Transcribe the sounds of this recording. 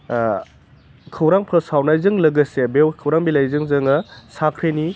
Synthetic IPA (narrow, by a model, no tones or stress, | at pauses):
kʰɯwɾaŋpʰɾɐsawnajzɯŋlɐɡɐsebewkʰɯwɾaŋbilajzɯŋzɯŋɐsakʰɾeni